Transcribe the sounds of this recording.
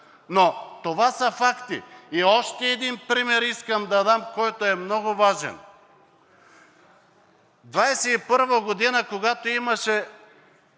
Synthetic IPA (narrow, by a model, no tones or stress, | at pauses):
not̪ovasɐfakt̪ḭiɔʃt̪ɛːd̪inpɾimɛɾiskəmd̪ɐd̪amkɔjt̪oɛmnɔɡovaʒɛ̰n | d̪vajsɛipɤɾvɐɡod̪inəkoɡat̪oimɐʃɛ